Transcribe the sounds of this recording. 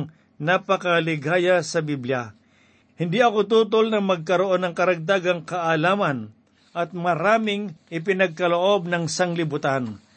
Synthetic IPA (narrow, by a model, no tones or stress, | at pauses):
napɐkɐlɪɡaːjasɐbiblja | hɪnd̪iʔɐkot̪uːt̪olnɐŋmɐɡ̚kɐɾoʔo̞nɐŋkɐɾɐɡ̚t̪aɡɐŋkɐʔalaːmɐn | ʔɐt̪̚mɐɾaːmɪŋʔɪpɪnɐɡ̚kɐloʔo̞b̚nɐŋsɐŋlɪbʊt̪an